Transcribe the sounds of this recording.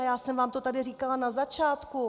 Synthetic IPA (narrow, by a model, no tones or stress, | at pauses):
ajaːsɛmvaːmt̪ot̪adɪriːkalanazat͡ʃaːt̪ku